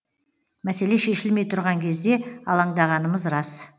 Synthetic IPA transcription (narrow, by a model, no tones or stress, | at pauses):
mæse̞le̞ʃe̞ʃɪlme̞jt̪ʰʊɾʁɑŋkʲʰe̞zd̪e̞ɑlˠɑɴd̪ɑʁɑnəməzɾɑs